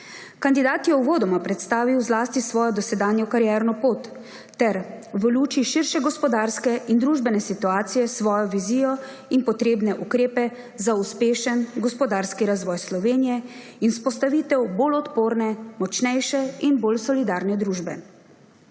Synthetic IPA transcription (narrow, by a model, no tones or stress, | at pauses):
kand̪id̪aːt̪jɛuʋoːd̪ɔmapɾɛt̪st̪aːʋiwzlaːst̪isʋɔːjɔd̪ɔsɛd̪aːnjɔkaɾjɛɾnɔpoːt̪ː | ɛɾʋəluːt͡ʃiʃiɾʃɛɡɔspɔd̪aɾskɛʔind̪ɾuːʒbɛnɛsit̪uaːt̪sijɛsʋɔːjɔʋiziːjɔ | inpɔt̪ɾeːbnɛʔukɾeːpɛ | zauspeːʃənɡɔspɔd̪aːɾskiɾazʋɔːjslɔʋeːnijɛ | inspɔst̪aʋiːt̪ɛwbolɔt̪poːɾnɛmɔt͡ʃnɛjʃɛinbolsɔlid̪aːɾnɛd̪ɾuːʒbɛ̰